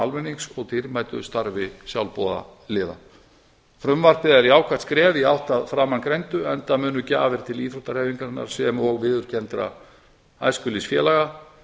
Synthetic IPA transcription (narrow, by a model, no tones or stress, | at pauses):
almɛnːiŋsɔɣt̪ʰɪɾmaːjt̪ʏst̪aɾvɪsjawlpoːða̰lɪːða̰ | fɾʏmvaɾ̥pɪðɛɾiawkʰvat̪skɾɛːviawht̪aðfɾaːmankɾejnt̪ʏɛnt̪amʏːnʏca̰ːvɛɾ̥t̪ʰɪliːfɾuht̪aɾ̥hɛːviŋkaɾɪnːa̰ɾ̥sɛmɔɣvɪðʏɾ̥cɛnt̪ɾa̰ | a̰jskʏlisfjɛ̰ːlaɣa